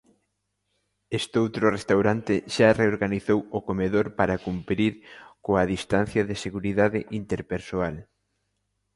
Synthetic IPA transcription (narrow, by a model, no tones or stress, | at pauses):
est̪owt̪ɾʊrest̪awɾant̪ɪʃareoɾɣaniθowʊkomeðoɾpaɾakumpɾiɾkoɐðist̪an̟θjɐðɪseɣuɾiðaðɪʔint̪eɾpeɾsoal